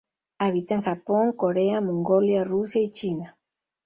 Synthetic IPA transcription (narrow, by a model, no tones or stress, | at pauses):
aβit̪aŋxapoŋkoɾeamoŋɡoljarusjait͡ʃina